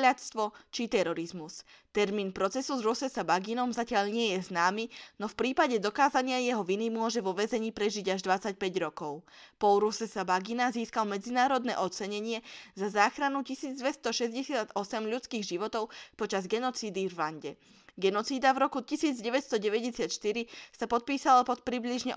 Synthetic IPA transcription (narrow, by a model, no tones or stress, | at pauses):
ʎat̪st̪ʋɔt͡ʃit̪ɛɾɔɾizmust̪ɛɾmiːnpɾɔt͡sɛsuzɾusɛsabaɡinɔmzacɪaʎɲɪɛjɛznaːminɔfpɾiːpaɟɛd̪ɔkaːzaɲɪajɛɦɔʋinimʊɔʒɛʋɔʋɛzɛɲiːpɾɛʒiɟaʒd̪ʋat͡sac̚pɛɟɾɔkɔʊpɔlɾusɛsabaɡinaziːskalmɛd͡zinaːɾɔd̪nɛ̰ːʔɔt͡sɛɲɛɲɪɛzazaːxɾanucisiːd͡zd̪ʋɛst̪ɔʃɛzɟɛsɪad̪ɔsɛmʎut͡skiːɣʒiʋɔt̪ɔʊpɔt͡ʃazɡɛnɔt͡siːd̪ivːaɲɟɛ | ɡɛnɔt͡siːd̪avɾɔkucisiːd͡zɟɛʋɛcst̪ɔɟɛʋɛɟɛsɪat̪ʃt̪iɾisapɔt̪̚piːsalapɔt̪̚pɾibliʒɲɛ̰